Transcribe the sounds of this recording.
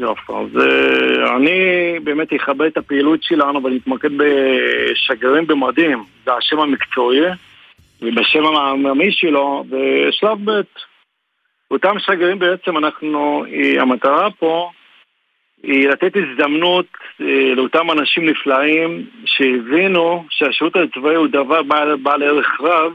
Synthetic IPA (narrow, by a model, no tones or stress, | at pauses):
jofḛa̰z̰ | a̰nibeːmet̪heχabeetapeilut̪ʃelanuvanimit̪maked̪̚beʃaɡeʁimbemad̪imzehaʃe̞mamikt͡soi | vebaʃemamamamiʃelo̞veʃlavbet̪ | otamʃaɡeʁimbeet͡se̞manaχnuia̰mat̪aʁapo̞ | ilat̪e̞t̪izd̪amnut̪leo̞tamanaʃimniflaimʃehevinuʃeaʃeutait͡svaiud̪avaʁbabaleʁeχʁav